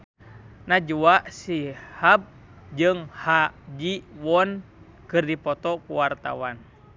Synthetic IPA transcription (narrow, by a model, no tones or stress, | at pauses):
nad͡ʒuaʔsihab̚ | d͡ʒɨŋhad͡ʒiwɔn | kɨrdipɔt̪ɔkuwart̪a̰wan